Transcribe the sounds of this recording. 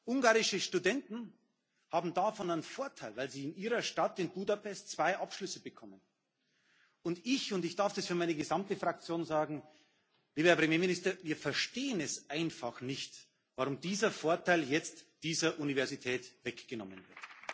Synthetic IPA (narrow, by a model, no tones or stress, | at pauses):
ʔʊŋɡaːʁɪʃəʃtudɛntn̩ | haːbm̩dafɔnaɪnnfoːɐtʰaɪlvaɪlziːɪniːʁɐʃtatɪnbuːdapʰɛst̚t͡sv̥aɪʔapʃlʏsəbəkʰɔmən | ʊndɪçʊndɪçd̥aɐfd̥asfyɐmaɪnəɡəzamtəfʁ̥ak̚t͡sjoːnzaːɡŋ̩ | liːbəɛɐpʁ̥emjeːminɪstɐviːɐfɛɐʃteːənɛsʔaɪnfaχnɪçt | vaʁʊmdiːzɐfoːɐtʰaɪljɛt͡std̥iːzɐʔunivɛɐzitʰɛːtv̥ɛkɡ̥ənɔmənvɪɐt